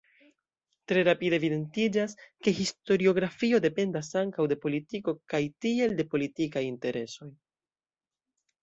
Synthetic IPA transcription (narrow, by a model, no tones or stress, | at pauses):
tɾe̞ɾapidevide̞ntid͡ʒaske̞ɦisto̞ɾio̞ɡɾafio̞de̞pe̞ndasaŋkawde̞po̞litiko̞kajtie̞lde̞po̞litikajinte̞ɾʔe̞so̞j